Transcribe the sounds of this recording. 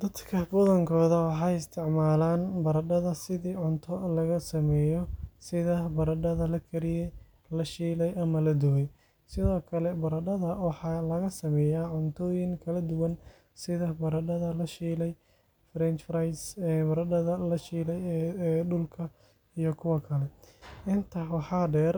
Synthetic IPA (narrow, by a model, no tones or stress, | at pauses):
d̪̥ɐd̪kʰɐbɔðɐŋkʰɔːðɐwɑħɑːjɪst̪ʰɪʕmaːlaːnbɐɾɐɖɐðɐsɪðiːʕʊnt̪ʰɔlɐɣɐsɐmɛːjɔsɪðɐbɐɾɐɖɐðɐlɐkʰɐɾɪ | lɐʃiːlɛjʔɐmɐlɐd̪ʊwɛj | sɪðɔːkʰɐlɛbɐɾɐɖɐðɐwɑħɑːlɐɣɐsɐmɛːjaːʕʊnt̪ʰɔːjɪŋkʰɐlɐd̪ʊwɐn | sɪðɐbɐɾɐɖɐðɐlɐʃiːlɛj | fɾɛnt͡ʃfɾajsbɐɾɐɖɐðɐlɐʃiːlɛjɖʊlkʰɐ | ijɞkʰʊwɐkʰɐlɛʔɪnt̪ʰɐwɑħɑːɖɛːr